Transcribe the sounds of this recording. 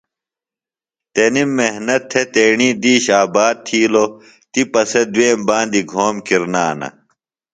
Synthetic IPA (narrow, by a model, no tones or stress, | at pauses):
t̪enimːeɦnɐt̪ʰːet̪eːɳiːd̪iːɕaːbaːd̪̚t̪ʰiːlo | t̪ipɐsed̪weːmbãːnd̪iɡʱoːmkiɾnaːnɐ̰